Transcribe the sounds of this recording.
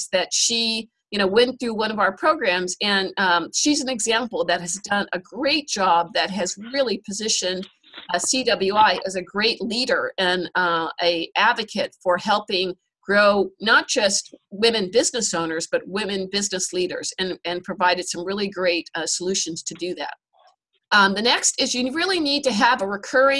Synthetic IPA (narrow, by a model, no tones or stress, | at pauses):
ðɨtʃi | jɨñoʊwɛ̃nθɹʉwʌ̃ñʌvaʊə˞pʰɹ̥oʊɡɹæ̃mzɨ̃nʃizɨ̃n̩ɨɡzæ̃mpl̩ˠðɨt̚hɨzdʌ̃nʔɨɡɹeɪt̚d̥ʒ̥ɑb̚ðɨt̚ɦɨzɹɪlˠipʰɨzɪʃɨ̃nd̥ | sidʌbl̩ˠjuaɪʔɨzɨɡɹeɪtˡliɾə˞ɨ̃nɨʔædvɨkʰɨtfə˞hɛlˠpɪ̃ŋ | ɡ̥ɹoʊnət̚d̥ʒ̥ʌst̚wɪ̃mɨ̃nbɪznɨsõʊ̃nə˞zbʌt̚wɪ̃mɨ̃nbɪznɨsliɾə̰˞z̥ɨ̃nɨ̃npʰɹ̥ɨvaɪɾɨd̥sʌ̃mɹɪlˠiɡɹeɪt̚səlʉʃɨ̃nz̥tʰɨdɨðæ̰t̚ | ðɨnɛkstɪzjɨɹɪlˠinid̚tɨːvəɹɨkʰɜ˞ɪ̃